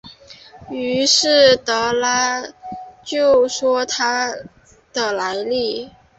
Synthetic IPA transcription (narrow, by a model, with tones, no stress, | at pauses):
y˧˥ʂɻ̩˥˩t̪ɤ˧˥la˥ | t͡ɕjo˥˩ʊʂwɔ˥t̪ʰa˥ | d̪̥ə˨˩la˧˥ɪli˥˩